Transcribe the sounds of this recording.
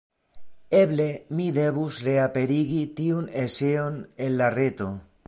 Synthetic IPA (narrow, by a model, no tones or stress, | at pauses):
eβlemiðeβusreapeɾiɣit̪iuneseonellaret̪o